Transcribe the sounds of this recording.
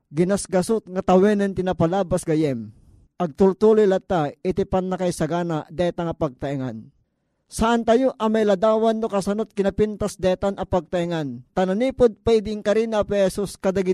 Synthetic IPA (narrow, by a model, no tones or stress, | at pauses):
ɡɪnasɡɐsʊt̪̚ŋɐt̪ɐwɛnɛnt̪ɪnapalaːbasɡɐjɛm | ʔɐɡ̚t̪ʊlt̪ulʊjlat̪ːaɪt̪ɪpanːakajsɐɡaːnaʔd̪ɛt̪aŋɐpɐɡ̚t̪ɐʔiŋan | saʔant̪ɐjoʔɐmajlɐd̪aːwanːokɐsɐnot̪̚kɪnɐpint̪asd̪ɛt̪anɐpɐɡ̚t̪aʔɪŋant̪ananiːpʊd̪̚paɪd̪ɪɪŋkɐɾinapɛhɛsuskɐd̪aɡɪ